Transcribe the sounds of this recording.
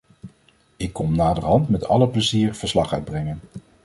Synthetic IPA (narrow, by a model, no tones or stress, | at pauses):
ɪkːɔmnaːdəɹɦɑntmɛtɑ̰ləpləziːɹv̥əɹslɑχœɥd̚brɛŋən